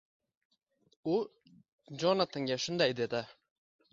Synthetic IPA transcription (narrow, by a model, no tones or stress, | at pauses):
ʊ | d͡ʒɒnat̪ʰɪŋɡʲaʃʊnd̪ajd̪ed̪ɪ